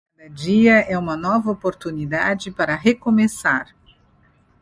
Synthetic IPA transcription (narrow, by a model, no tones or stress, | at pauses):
kad̪ɐd͡ʒiɐʔɛũmɐnɔvɐopoɾt̪unid̪ad͡ʒɪpaɾɐɦekomesaɾ